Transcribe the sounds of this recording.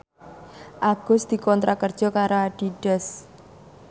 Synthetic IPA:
ʔaɡ̥ʊ̤sd̪̥i̤kɔnt̪ɾakərd̥ʒ̥ɔ̤kaɾaaɖ̥iɖ̥ɛs

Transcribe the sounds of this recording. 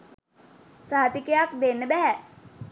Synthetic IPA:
saɦat̪ikəjak̚d̪enːəbæɦæ

